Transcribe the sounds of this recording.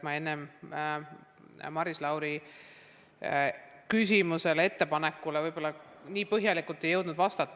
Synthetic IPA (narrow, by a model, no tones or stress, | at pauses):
mɑe̞nːem | mɑɾislɑwɾi | kysʲimuse̞le̞t̪ːe̞pɑne̞kːˑulevɤjb̥o̞lːɑ | niːpɤɦjɑlikˑult̪ːˑe̞jːɤwd̪̥nud̪vɑst̪ɑt̪ːˑ